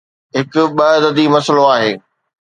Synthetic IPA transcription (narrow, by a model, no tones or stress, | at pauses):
ɦɪkʊ̆ɓɐɦd̪ɐd̪imɐsəloaːɦeː